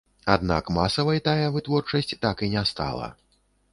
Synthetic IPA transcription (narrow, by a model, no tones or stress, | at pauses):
a̰d̪̚na̰kmasɐvɐjt̪ajɐvɨt̪vɔrt͡ʂɐsʲt͡sʲt̪akinʲɛst̪a̰lˠɐ̰